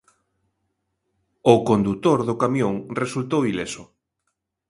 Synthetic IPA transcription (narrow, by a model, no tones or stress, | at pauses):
ʊkond̪ut̪oɾðʊkamjoŋresult̪owilesʊ